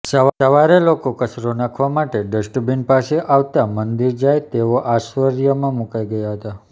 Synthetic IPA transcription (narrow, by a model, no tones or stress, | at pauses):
səəʋaɾelokokəsɾonãkʰʋamaʈeɖəsʈəbinpaseʔaʋt̪amənd̪iɾd͡ʒajt̪eʋoʔaʃʋəɾjəmãmukajɡəjaɦət̪a